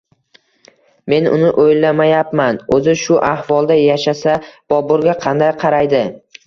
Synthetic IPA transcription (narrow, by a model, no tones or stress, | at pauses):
me̞nʊ̰nɪʔojlːamajapmanɵzɪʃʊʔahvɒlˠd̪ajaʃasab̥ɒbʊɾɡʲaqʰɑnd̪ajqʰɑɾajd̪ɪ